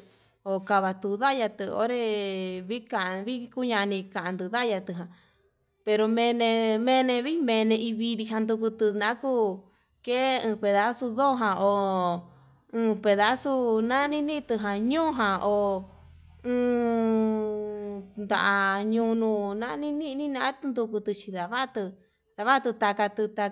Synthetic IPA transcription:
o˨ka˧βa˧t̪u˧ða˦ja˧t̪ɨ˧o̰˦ɾe˧βi˦kã˨ʔβi˦ku˦ɲã˧nĩ˧kã˨ã˧nd̪ɨ˧ða˦ja˧t̪ɨ˧˨ɦã˨ | pe˧ɾo˧mẽ˧nẽ˧mẽ˧nẽ˧βi˦mẽ˧nẽ˧i˧βi˧ɾi˧ɦã˧nd̪u˧ku˧t̪ɨ˧nã˦ku˦ | ke˦ɨ̃ː˧pe˨ða˦su˧ðo˦ɦã˧o˨ | ɨ̃ː˧pe˨ða˦su˦nã˦nĩ˦nĩ˦˧t̪ɨ˧ɦã˧ɲõː˦ɦã˧ʔo˨ | ɨ̃ː˧ | nd̪a̰˧ʔa˧ɲũ˧nũ˧nã˦nĩ˦nĩ˦˧nĩ˦nã˧˦t̪nd̪u˧ku˧t̪ɨ˧t͡ʃi˧ða˨βa˦t̪ɨ˧ | ða˧βa˦t̪ɨ˧t̪a˧ka˧t̪ɨ˧t̪a˧

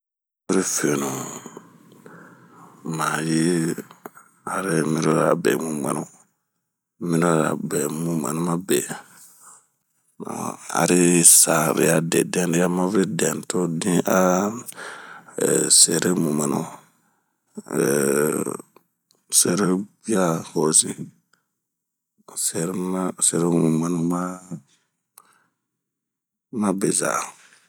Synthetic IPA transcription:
vi˦ɾi˦fe˨nu˨ | ma˨ji˦ | a˨ɾe˦mĩ˦ɾo˦ɾa̰˨bɛ̰˨mũ˦ma̰˨nu˨ | mĩ˦ɾo˦ɾa̰˨bɛ˨mũ˦ma̰˨nu˦ma˦be˨ | na̰˨a̰˨ɾi˦sa˨ɾḭ˨a˦dɛ˨dɛ̃˦n˦i˦ja˦ma˦vɾi˦dɛ˨n˨to˦dĩ˦ʔa˦ | se˨ɾe˦mu˨ma˨nṵ˨ | se˨ɾe˦bi˦a˦ho˨si˦ | sɛ˨ɾma˦se˨ɾe˦mu˨ma˨nu˨ma˦ | ma˦be˨za̰˨

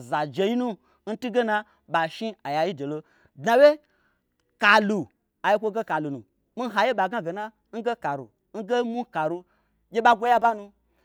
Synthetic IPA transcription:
za˨d͡ʒe˨ji˦nu˦ | n̩˦tu˦ɡe˦na˧ | ɓa˨ʃi˦a˨ja˨ji˦de˨lo˧ | dna˨we˦ | ka˨lu˨ | a˨ji˦kʷo˧ɡe˦ka˨lu˨nṵ˨ | mi˦ɦa˨je˦ɓa˨ɡa˦ɡe˨na˦ | n̩˦ɡe˦ka˨ɾṵ˨ | n̩˦ɡe˦mu˦ka˨ɾu˧ | jʲe˦ɓa˦ɡʷo˦ja˦ba˦nũ˧

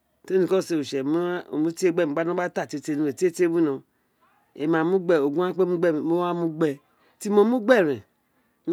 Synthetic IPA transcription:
te˦nĩ˧kɔ˦˨se˧˨o˨ʃɛ˨m˦o˨mũ˦ti˦e˦ɡ͡bɛ˦˨u˨˦ɡ͡ba˨˦n˦õ˦a˦ta˦˨te˨˧te˧nũ˨˧e˨ti˦e˦te˦bũ˦nã˧ | e˨mã˨mũ˦ɡ͡bɛ˧o˨ɡũ˦ã˦k͡pe˦mũ˦ɡ͡bɛ˦˨mo˦a˦mũ˧˦ɡ͡bɛ˧ | ti˦mɔ̃˧˦mũ˦ɡ͡bɛ˦˨ɾɛ̃˨

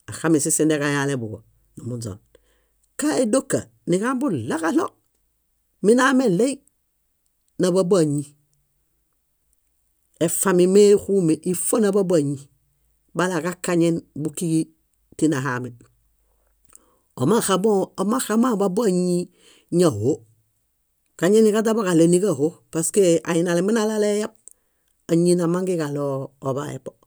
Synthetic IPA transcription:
a˨xa˦mi˨si˦si˦nde˦ka˨ja˦le˨bu˨ɡo̰˨ | nu˨mu˨d͡ʒo̰˨n | ka˦e˦do˦kːa̰˨ | ni˨ka˦mbu˦la˦ka˦lo˦ | mi˦na˦me˦le˦i˦ | na˨ba˦ba˨ɲi˨ | e˨fa˦mi˨me˦xu˦me˨ʔi˨fo˦na˨ba˦ba˨ɲi˨ | balakakaɲenbuki˦ɡi˦ | tinaɦamin | omaxaboma˦xa˦ma˦babo˦a˦ɲi | ɲa˨ho˦ | kaɲe˦ni˦kat̬aboka˨leni˦kaɦopaskea̰jinalemi˦nalalejab̚ | a˨ɲina˨ma˦ŋɡi˦kaloːba̰ḛpo

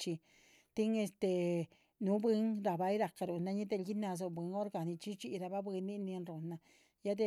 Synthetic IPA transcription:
t͡ʃi˧ | t̪i˦ŋe˧st̪e˧ | nũ˦bi˧˦ŋɾa˧˨ba˧i˦ɾa˧ka˧ɾu˨nã˧ɲĩ˦d̪e˧lɡi˦nã˧z̬o˧bʷɨ˨˧˦ŋo˦ɾɡa˧˨nĩ˧t͡ʃi˦t͡ʃi˧ʔɾa˧βa˦bi˧nĩ˦nĩ˧nɾo˨nã˧ | ja˦d̪e˧

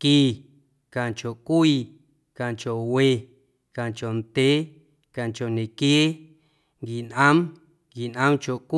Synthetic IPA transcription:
ki˦˧ | kã˨nt͡ʃo˨kʷiː˧˨ | kã˨t͡ʃo˨we˧˨ | kã˨t͡ʃo˨nt̪e˦ | kã˨t͡ʃo˨nẽ˨kje˦ | ŋɡi˨nʔã˦m | ŋɡi˨nʔã˦mt͡ʃo˨kʷ

